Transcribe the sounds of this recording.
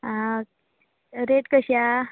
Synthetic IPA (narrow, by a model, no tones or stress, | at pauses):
a | ɾeʈkəɕja